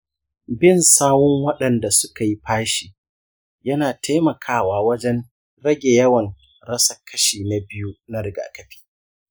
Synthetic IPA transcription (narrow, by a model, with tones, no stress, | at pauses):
bɪ˦˨nsaː˦wʊ˦ŋwɐ˦ɗɐ˨nda˨sʊ̥˦ka˨ji˦ɸaː˦ʃiː˨ | jɐ˦naː˨tʰa˦jmɐ˨kʰaː˦waː˦wɐ˦d͡ʒɛ˦n | ɽɐ˦ɡʲe˨jɐ˦wɐ˨ŋ | ɽɐ˦sɐ˨kʰɐ˦ʃiː˨na˨bɪ˦ju˦na˦ɾɪ˨ɡa̰ː˨kɐ˦ɸi̥ː˦˨